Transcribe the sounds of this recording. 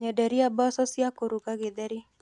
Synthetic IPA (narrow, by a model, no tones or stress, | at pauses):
ɲadɛɾiabasɔsiakoɾuɡaɡedɛɾi